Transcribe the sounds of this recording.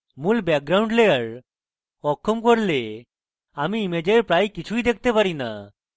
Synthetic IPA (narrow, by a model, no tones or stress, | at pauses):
muːlbɛk̚ɡɾauɳɖleəɭ | ɔkʰːəmkɔɾle | amiːmed͡ʑeɾpɾajkit͡ɕʰuid̪ek̚ʰt̪epaɾina